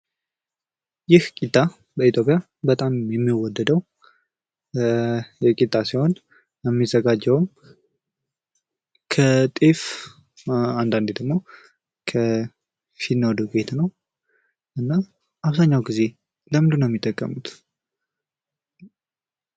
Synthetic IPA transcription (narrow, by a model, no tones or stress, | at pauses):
jɪhkʼit̪ʼːa | bəit̪ʰjo̞pʼja | bət̪ʼamjɛmːiwɔd̪ːəd̪əw | jɛkʼit̪ʼːasiho̞n | jɛmːizəɡad͡ʒːɛwm | kʰət̪ʼif | and̪and̪ed̪əɡmo̞ | kʰə | finːowd̪ukʼet̪nəw | ʔɨnːa | ʔaβzaɲːawɡize̞ | ləmd̪unjɛmːit̪ʼːəkʼːə̰mut̪